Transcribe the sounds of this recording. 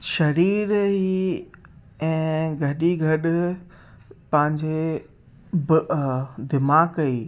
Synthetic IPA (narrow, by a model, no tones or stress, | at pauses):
ʃɐɾiːɾɦi | ɛ̃ːɡʱɐɗiɡʱɐɗ | pɐ̃ɦɪ̃ɲd͡ʑe | b | d̪ɪmaːkɐiː